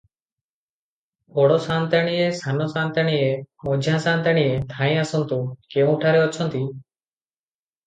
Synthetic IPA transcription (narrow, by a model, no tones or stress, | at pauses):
bɔɽɔsant̪aɽ̃ijesanɔsant̪aɽ̃iemɔd͡ʒʱãsant̪aɽ̃iet̪ʰãĩasɔnt̪ukeũʈʰaɾeɔt͡ʃʰɔnt̪i